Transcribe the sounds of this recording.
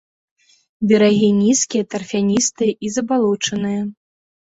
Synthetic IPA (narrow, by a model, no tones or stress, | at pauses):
bʲɐɾaɣʲinʲiskʲijɐt̪ɐrfʲanʲist̪ɨjɐʔizɐbalˠut͡ʂɐnɨjɐ